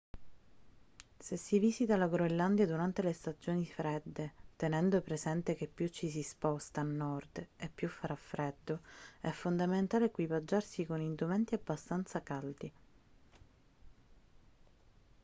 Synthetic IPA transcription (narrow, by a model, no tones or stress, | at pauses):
sesːiviːsit̪alaɡɾoelːand̪jad̪uɾant̪elest̪ad͡ʒoːnifɾɛd̪ːet̪enɛnd̪opɾezɛnt̪ek̟epːjut͡ʃːisispɔst̪aːnːɔrd̪epːjufːaɾafːɾed̪ːoɛfond̪ament̪aːlekwivad͡ʒːarsikonind̪umɛnt̪iabːast̪ant̪sakald̪i